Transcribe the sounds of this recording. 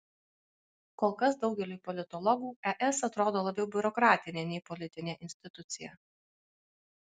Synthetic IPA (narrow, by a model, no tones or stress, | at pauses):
kɔːlˠkɐsd̪ɒʊɡʲɛlʲuːpɔlʲɪt̪ɔlˠɔɡuːɛʔɛsɐt̪ɾoːd̪oːlˠɐbʲɛʊbʲʊɾɔkɾɑːt̪ʲɪnʲeːnʲɛɪpɔlʲɪt̪ʲɪnʲeːʔɪnʲsʲt̪ʲɪt̪ʊt̪sʲɪjɛ̰